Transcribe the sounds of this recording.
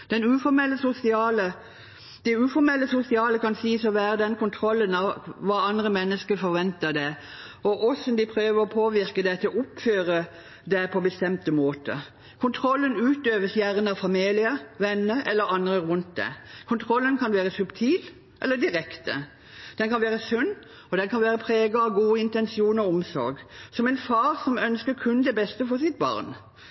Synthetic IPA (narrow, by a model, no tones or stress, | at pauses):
d̪̥ɛnʉːfɔɾmɛlːəsʊsɪɑːlə | d̪̥ɛʉːfɔɾmɛlːəsʊsɪɑːləkɑnsiːsɔʋæːɾəd̪ɛnkʰʊnt̪ʰɾɔlːənɑʋʋɑːɑnd̪ʁəmɛnːəskəfɔɾʋɛnt̪əd̪ɛ | ɔʔɔsɔnd̪ɪpʰɾøːʋəɾɔpʰoːʋɪɾkəd̪ɛt̪ʰɪlɔʊpføːɾə | d̪ɛpʰɔbəst̪ɛmt̪əmoːt̪ə̰ | kʰʊnt̪ʰɾɔlːənʉːt̪øːʋəsjæʁənɑʋfɑmiːlɪəʋɛnːəʔɛlːəɾɑnd̪ɾəɾʉnt̪̚d̪ɛ̰kʰʊnt̪ʰɾɔlːənkʰɑnʋæːʁəsʉpt̪ʰiːl | ʔɛ̰lːəd̪ɪʁɛkt̪ə̰ | d̪̥ɛnkɑnʋæːʁəsʉnː | ɔd̪ɛnkʰɑnʋæːɾəpʰɾeːɡəɑʋɡuːɪnt̪ɛnsɪuːnɔɔmsɔ̰ɾɡsɔmɛnfɑːɾsɔmœnskəɾkʰʉnd̪ɛbɛst̪əfɔʁsɪt̪̚bɑ̰ʁn